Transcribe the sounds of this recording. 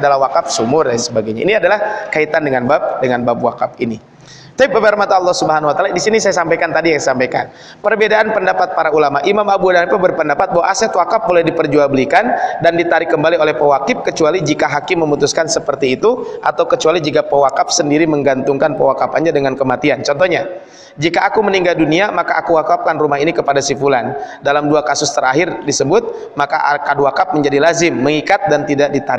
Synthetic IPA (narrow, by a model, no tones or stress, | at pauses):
adalahwakap̚sumʊrjansəbaɡajɲa̰iniadalahkait̪andəŋanbap̚dəŋanbabwakap̚ini | t̪aip̚ːəbərmat̪aːlˠːɔhsubəɦanwat̪aladisinisajasampajkant̪adijaŋsampajka̰n | pərbedaʔanpəndapat̪̚paɾaulamaʔimamabudanpubərpəndapat̪̚baɦwaʔasɛt̪wakap̚molɛhdipərd͡ʒuabəlikandandit̪aɾikəmbaliolɛhpəwakɪp̚kət͡ʃualid͡ʒikaɦakɪmːəmut̪uskansəpərt̪iːt̪uʔat̪awkət͡ʃualid͡ʒikapəwakap̚səndiɾiməŋɡant̪ʊŋkanpəwakapanɲadəŋankəmat̪iant͡ʃɔnt̪ɔɲa | d͡ʒikaʔːkuməniŋɡalduniamakaʔakuwakap̚kanrumaɦinikəpadasifulandalamduakasʊst̪əɾaɦɪrdisəbʊt̪̚ | maka̰ʔakaduakap̚məɲd͡ʒadilazɪmːəŋikat̪̚dant̪idaʔdit̪aɾɪ